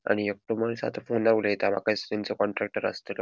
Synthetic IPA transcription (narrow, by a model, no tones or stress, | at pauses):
a̰ɽ̃iek̚ʈomənsa̰t̪ʰfondaʋuljet̪ama̰kasɾint͡sekɔɳʈɾek̚ʈəɾa̰st̪el